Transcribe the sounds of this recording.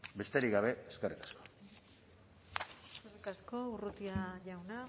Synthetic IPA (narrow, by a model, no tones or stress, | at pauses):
be̞st̪eɾiɡaβ̞e̞eskerikḁsko | eskerikasko̞urut̪iaʝawna